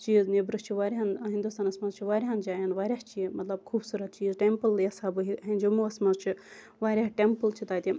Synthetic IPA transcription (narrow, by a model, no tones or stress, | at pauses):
t͡ʃiːznebɾɨst͡ʃʰiʋaːɾɦanɦind̪ust̪aːnɐsmɐzt͡ʃʰiʋaːɾʲɦand͡ʒaːjɐnʋaːɾʲat͡ʃimɐt̪lɐb̚kʰuːbsuːɾɐt̪̚t͡ʃiːzʈempəljɐsaːbɨɦiɦend͡ʒumuɐsmɐzt͡ʃʰi | ʋaːɾʲaɦʈempəlt͡ʃʰit̪aːt̪ʲi